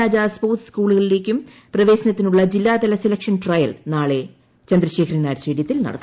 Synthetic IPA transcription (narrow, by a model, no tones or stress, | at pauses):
aːd͡ʑaspoːrtskuːɭuɣɐɭile̞ːkʲːum | prɐʋe̞ːsɐnɐt̪ːinuɭːɐd͡ʑilːaːd̪ɐlɐselɐkʂɐnʈrɐjɐ̰lnaːɭe̞ | t͡ɕɐnd̪ɾɐɕe̞ːkʰɾinaːɾseːɽjɐt̪ːilnɐ̰ɽɐt̪ː